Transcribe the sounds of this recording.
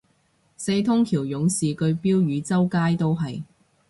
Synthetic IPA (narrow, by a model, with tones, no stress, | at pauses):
se˧jt̪ʰʊ˥ŋkʰiː˨˩wjʊ˨˥ŋsiː˨kɵ˧ɥpiː˥wjyː˨˧t͡sɐ˥wkaː˥jt̪o˥wɦɐ˨j